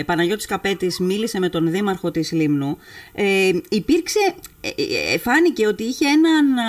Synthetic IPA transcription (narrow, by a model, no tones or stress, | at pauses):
pɐnɐʝo̞t̪i̥skɐpe̞t̪izmilise̞me̞t̪o̞nðimɐɾxo̞t̪islimnueipiɾkse̞ | efɐnice̞o̞t̪iiçe̞e̞nɐn